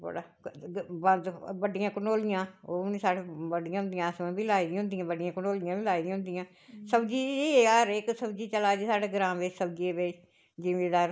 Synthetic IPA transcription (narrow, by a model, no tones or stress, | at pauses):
bə̰ɽaː | bənd̪bəɖijãːkənoːlɪjãːoːniːsaːɽebəɖɪijãːɦʊnd̪ijãːsmãːbiːlaːiːd̪ĩɦʊ̃nd̪ijãːbəɖijãːkənoːlijãːbiːlaːiːd̪ĩãːɦʊnd̪ijãː | səbd͡ʒiːiəɾɪksəbd͡ʒiːt͡ʃəlaːd͡ʒiːsaːɖeːɡɾãːmʋɪt͡ʃsəb̚d͡ʒieːbeː | d͡ʒɪʋeːd̪aːɾ